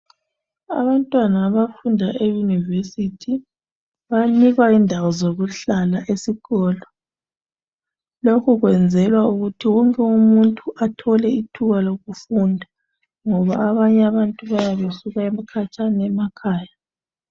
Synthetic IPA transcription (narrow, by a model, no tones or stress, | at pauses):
a̰βantʼwanaːβafundʱaʔejunivesitʰi | βaniɣwaindʱawɔzoɣuɬalaʔesiɣɔːlɔ | lokʰuɣwɛnd͡zʱɛlwauɣutʰiwɔŋkʼɛumuntʼuʔatʰɔlɛitʰuɣaloɣufundʱa | ŋɔβaːβaɲɛaβantʼuβajaβesuɣaɛmakʰat͡ʃʼanɛmakʰaːja